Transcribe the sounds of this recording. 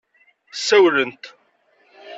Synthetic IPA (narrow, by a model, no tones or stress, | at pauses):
sæwɾənt̪